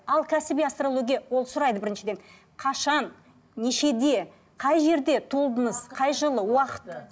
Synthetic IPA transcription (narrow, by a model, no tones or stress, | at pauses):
ɑlˠkʲʰæsɪbiast̪rolˠoɡʲijawo̞lˠsʊɾɑjd̪əbɪɾɪnʃɪd̪e̞n | qʰɑʃɑnː | eʃe̞d̪e̞ | qʰɑjʒe̞ɾd̪e̞t̪ʰulˠd̪ənəz̥qʰɑjʒəlˠəwɑqə̥t̪